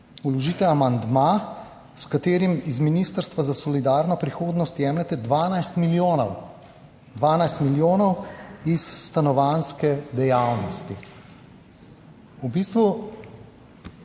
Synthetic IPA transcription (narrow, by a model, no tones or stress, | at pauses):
ulɔʒiːt̪ɛamand̪ma | skat̪eːɾimizminiːst̪əɾst̪ʋazasɔlid̪aːɾnɔpɾixoːd̪nɔst̪jɛːmlɛt̪ɛd̪ʋanajst̪milonw | d̪ʋaːnajst̪miljoːnɔwisːt̪anɔʋanskɛd̪ɛjawnɔst̪i | ubiːst̪ʋu